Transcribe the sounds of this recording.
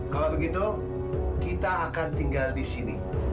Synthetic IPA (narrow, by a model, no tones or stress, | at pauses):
kalabəɡit̪u | kit̪aːkant̪iŋɡaldisini